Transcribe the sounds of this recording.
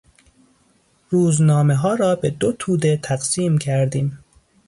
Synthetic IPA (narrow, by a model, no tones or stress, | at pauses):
ɾuːznɒːmeɦɒːɾɒːbe̞d̪ot̪ʰuːd̪e̞t̪ʰæɣsiːmcʰæɾd̪iːm